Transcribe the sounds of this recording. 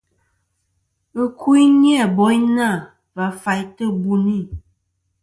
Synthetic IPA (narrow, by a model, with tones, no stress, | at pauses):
ə˦kʰu˦i˦nja˦˨bɔ˨˦jna˦˨ | va˨˦fa˨jtə˦bu˨ni˦˨